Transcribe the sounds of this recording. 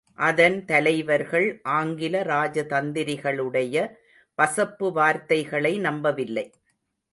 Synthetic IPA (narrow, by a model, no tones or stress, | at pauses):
ʔɐðɐnt̪ɐlɐɪʋɐɾɣɐɭʔaːŋɡɪlɐɾaːd͡ʒɐt̪ɐnd̪ɪɾɪɣɐɭɯɽɐjɐ | pɐsɐpːɯʋaːɾt̪ɐɪɣɐɭɐɪnɐmbɐʋɪlːɐɪ